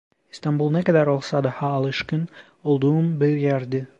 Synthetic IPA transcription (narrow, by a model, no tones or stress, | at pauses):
ist̪ɑmbulˠnækæd̪æɾolˠsɑd̪ɑhɑːlˠɪʃkɪn | olˠd̪uumbɪɾjæɾd̪ɪ